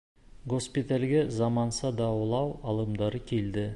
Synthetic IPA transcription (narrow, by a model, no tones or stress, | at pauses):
ɡo̞spit̪alɡʲezɑmɑnsɑd̪ɑwɤlˠɑwɑlˠə̆md̪ɑɾəkʲʰeld̪ɪ